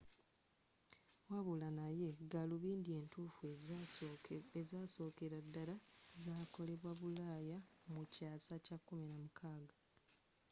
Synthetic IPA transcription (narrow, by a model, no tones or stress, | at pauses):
waβulanaje̞ɡaluβiːndie̞ːntuːfu | ezaːso̞ːke̞ɾadːalazaːko̞le̞βwaβulaːjamucaːsacakːumiɾamukʰaːɡa